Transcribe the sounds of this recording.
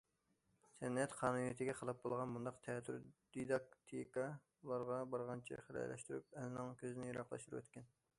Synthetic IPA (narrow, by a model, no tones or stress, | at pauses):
sʰɛnɛt̪qʰɑːnunijit̪ʰɪɡʲɛqʰəlˠɑp̚bolˠʁɑnmund̪ɑqt̪ʰɛt̪ʰːyɾd̪̥id̪ɑk̚t̪ʰikɑ | lˠɑɾʁɑbɑɾʁɑnt͡ʃʰḭχəlɑ̰jlʔɛ̰ʃt̪yɾy̰p̚ɛlnɪŋkʲʰøzɪnɪjɑɾɑqlˠɑ̰ʃt̪uɾuwɛ̰t̪kʲʰɛn